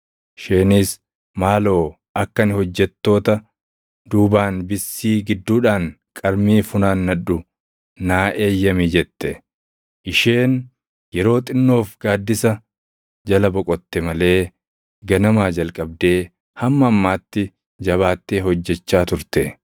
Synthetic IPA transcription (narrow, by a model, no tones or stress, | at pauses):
ɪʃeːniːs | maːlo̞ː | ʔɐkːɐnɪhɔd͡ʒːɛt̪ːo̞ːt̪ɐ | d̪uːbaːnbɪsːiːɡɪd̪ːuːᶑaːŋ | kʼɐɾmiːfʊnaːnːɐᶑʊ | naːʔe̞ːjːɐmid͡ʒɛt̪ːɛ | ʔɪʃeːn | jɛɾo̞ːt̪ʼɪnːo̞ːfɡaːd̪ːɪsɐ | d͡ʒɐlɐbɔkʼɔt̪ːɛmɐle̞ː | ɡɐnɐmaːd͡ʒɐlkʼɐb̚d̪e̞ː | hɐmːɐːmːaːt̪ːɪ | d͡ʒɐβaːt̪ːeːhɔd͡ʒːɛt͡ʃːaːt̪ʊɾt̪ɛ